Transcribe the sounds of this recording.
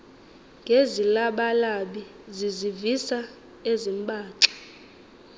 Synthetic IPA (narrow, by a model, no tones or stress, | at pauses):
ŋɡʱezilaɓalaɓi | zizivisa | ezimbʱʼaːǀḁ